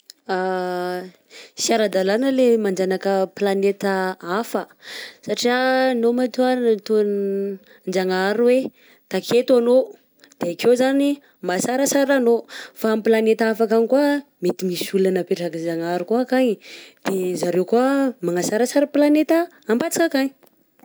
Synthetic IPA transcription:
a | siaɾad̪alanəlemand͡ʒanakəplanet̪əafə | saʈ͡ʂianomat̪uaɾnət̪un | nd͡ʒaŋaɾuwe | t̪akʰet̪uano | d̪̥eakewzani | masaɾəsaɾanofamplanet̪aafakanikuamet̪imisulanapeʈ͡ʂakind͡ʒaŋaɾukuakaɲd̪̥ezaɾewkuəmaŋasaɾəsaɾəplanet̪əː | mbat͡si̥kakaɲi̥

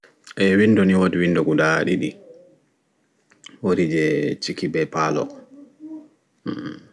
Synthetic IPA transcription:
ʔɛwinːdɔniwodiwinːdɔɡudaɗiɗḭ | woɾid͡ʒɛt͡ʃikibɛpalɔ̰

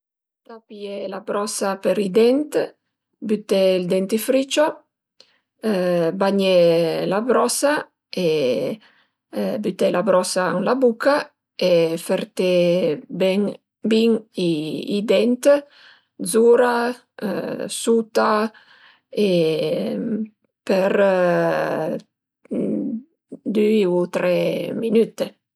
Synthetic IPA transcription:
t̪apielabɾɔsapeɾid̪ɛnt̪ | byt̪ɛild̪ɛnt̪ifɾit͡ʃo | baɲelabɾɔsa | e | byt̪ɛlabɾɔsaaŋlabuka | efeɾt̪ebɛŋ | biŋiid̪ɛnt̪ | dzuɾa̰ | sut̪a | e | peɾ | d̪yut̪ɾɛminyt̪e

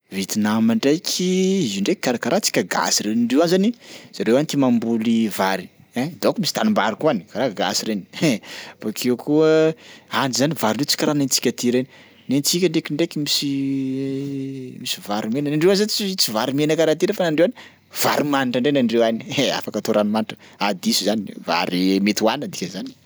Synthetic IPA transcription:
vit̪inamaɳɖ͡ʐajkʲʰiizuɳɖ͡ʐeki̥kːaɾakaɾat͡si̥kʲaɡa̰siɾenaɳɖ͡ʐewanzaniz̥aɾewanit̪imambulivaɾi | ed̪okmisi̥t̪anumbaɾikuanikaɾaɡa̰siɾeni̥ | fakʰekuəanizanivaɾiɳɖ͡ʐet͡si̥kʲɾanent͡si̥kʲat̪iɾeni | nent͡sikʲəɳɖ͡ʐekiɳɖ͡ʐekimisi | misivaɾimenənaɳɖ͡ʐewanzanit͡sit͡sivaɾimenəkaɾat̪inefanaɳɖ͡ʐewani̥ | v̥a̰ɾimaniʈ͡ʂaɳɖ͡ʐenaɳɖ͡ʐewania̰fakət̪oɾanumaniʈ͡ʂə̥ad̪isuzaniva̰ɾimet̪iuwanəd̪ikʲəzani̥

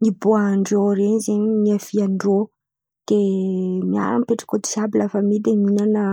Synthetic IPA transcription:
niboaɳɖ͡ʐoɾenizeɲiniafiaɳɖ͡ʐo | d̪̥emia̰ɾamipeʈ͡ʂḁkod̪i̥sabilafəmid̪eminanə

